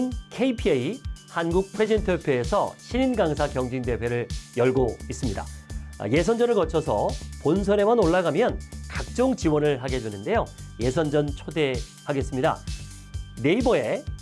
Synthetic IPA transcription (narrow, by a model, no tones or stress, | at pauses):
nkʰeipʰieihanɡuk̚pʰwe̞d͡ʑintʰɯpʰjoe̞sʰʌ̰ɕʰiɲinɡaŋsʰakjʌŋd͡ʑiŋde̞we̞ɾɯɭjʌɭɡois͈ɯmɲida̰je̞sʰʌnd͡ʑʌnɯɭkʌt͡ɕʰʌsʰʌpons̬ʰʌɾe̞manoɭːaɡamjʌnkak̚t͡ɕ͈oŋt͡ɕiwʌnɯɭɦaɡe̞dwenɯnde̞joje̞s̬ʰʌnd͡ʑʌnt͡ɕʰode̞haɡe̞s͈ɯmɲida̰ | ne̞ibʌe̞